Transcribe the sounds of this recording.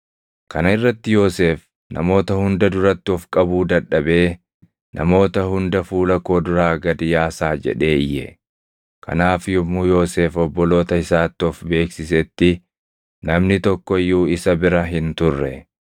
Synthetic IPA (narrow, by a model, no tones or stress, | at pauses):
kʰɐnɐɪrːɐt̪ːɪjo̞ːse̞ːf | nʔɐ̰mo̞ːt̪ɐhʊnd̪ɐd̪ʊɾɐt̪ːɪɔfkʼɐbuːd̪ɐᶑːɐbe̞ː | nʔɐ̰mo̞ːt̪ɐhʊnd̪ɐfuːlɐko̞ːd̪ʊɾaːɡɐd̪ɪjaːsaːd͡ʒɛ̰ᶑe̞ːɪjːɛ̰ | kɐ̰naːfjʊmːuːjo̞ːse̞ːfɔbːɔlo̞ːt̪ɐɪsaːt̪ːɪɔfbe̞ːksɪsɛt̪ːɪ | nɐmnɪt̪ɔkːɔɪjːuːɪsɐbɪɾɐɦɪnt̪ʊrːɛ̰